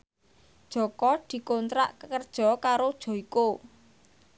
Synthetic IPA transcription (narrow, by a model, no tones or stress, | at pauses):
d̥ʒ̥ɔ̤kɔd̪̥i̤kont̪ɾa̰ʔkəkərd̥ʒ̥ɔ̤kaɾod̥ʒ̥ɔ̤iko